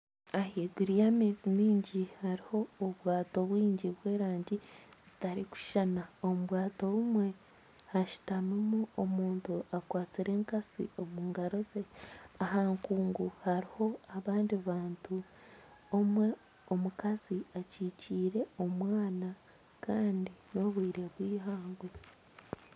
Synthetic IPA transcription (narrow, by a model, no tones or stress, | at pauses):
ahiɡuɾijamizimiːɲɟihaɾiho̞ːβwaːto̞βwiːɲɟiβwe̞ːɾaːɲɟiz̥itaɾiku̥ʃanaomuβwaːto̞umwe̞ | haʃu̥tamimuomuːntuakwaːt͡siɾe̞ːŋkasḭo̞muːŋɡaɾo̞ze̞aɦaːŋkuːŋɡuhaɾiho̞aβaːndiβaːntu | omwe̞ | omukaziaciːciːɾe̞o̞mwaːna | kaːndino̞βwiːɾe̞βwiːɦaːŋɡwe̞